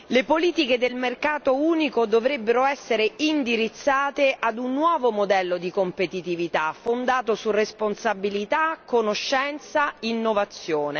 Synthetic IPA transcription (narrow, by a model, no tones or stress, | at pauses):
lepoliːt̪iked̪elmerkaːt̪ouːnikod̪ovɾebːeɾoɛsːeɾeind̪iɾit̪sːaːt̪eʔad̪unːwɔːvomod̪ɛlːod̪ikompet̪it̪ivit̪afond̪aːt̪osuresponsabilit̪akːonoʃːɛnt̪sainːovat̪sːjoːne